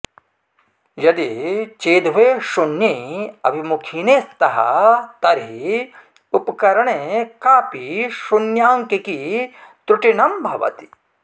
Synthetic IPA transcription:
jɐd̪it͡ʃeːd̪ʱʋeʃunjeɐ̰bʱimukʰiːneːst̪ɐɦɐ̰t̪ɐɾɦi | upkɐɾɐɽ̃ekaːpiʃunjaːŋkekit̪ɾuʈinɐmbʱɐʋɐ̰t̪i̥

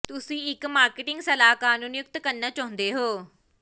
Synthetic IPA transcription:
t̪ʊsĩːɪkmaːɾkɪʈɪŋɡsəlaːkaːnũːnɪjʊk̚t̪kəɾnaːt͡ʃɔ̃ːnd̪eːɦoː

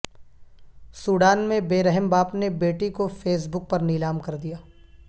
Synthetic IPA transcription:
suːɽaːnmẽbeːɾɛɦəmbaːpnebeːʈikofeːs̬bʊk̚pɐɾnilaːmkɐɾd̪ijaː

